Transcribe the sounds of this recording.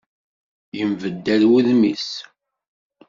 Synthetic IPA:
jəmvəd̪ːælwiðmḭs

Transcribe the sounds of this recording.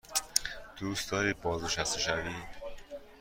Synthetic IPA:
d̪̥uːst̪d̪ɒːɾiːbɒːzneʃæst̪eʃæviː

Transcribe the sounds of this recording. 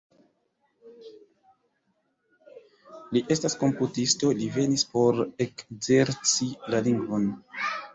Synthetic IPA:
liʔe̞stasko̞mputisto̞live̞nispo̞ɾekze̞ɾt͡silaliŋɡvon

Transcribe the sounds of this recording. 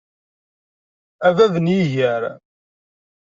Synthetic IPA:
ævæðənjiʝəɾ

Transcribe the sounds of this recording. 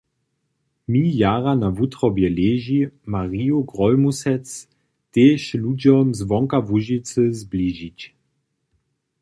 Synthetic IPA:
miːjaʁanavutʁɔbjɛleːʒimaʁiːuɡʁɔlmusɛt͡s | teːʃludɔmzvɔŋkavuʒit͡səzbliːʒit͡ɕ

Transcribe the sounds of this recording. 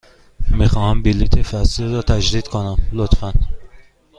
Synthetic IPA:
mixɒːhæmbilit̪ʰefæsliɾɒːt̪ʰæd͡ʒd̪iːd̪̥kʰonæmlot̪fæn

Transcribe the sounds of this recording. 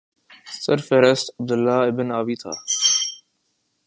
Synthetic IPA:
səɾfeɾəstəb̚d̪əlːaːɪbɪnaːʋiːt̪ʰa̰ː

